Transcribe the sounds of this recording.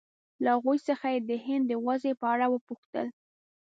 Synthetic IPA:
laaɣujsəxajed̪əhɪnd̪ːəwazepəaɽawəpuxt̪ə̰l

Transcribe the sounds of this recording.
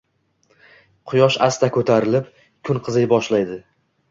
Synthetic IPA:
qʰʊjɒʃast̪ʰakʰɵt̪ʰaɾɪlɪp | kʰʊnqʰɨzɪjbɒʃlajd̪ɪ

